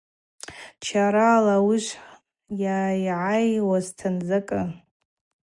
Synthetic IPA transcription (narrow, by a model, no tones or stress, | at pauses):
t͡ʃʰaɾaːlawiʒʷ | jajʕajwaztʰanzakʼɨ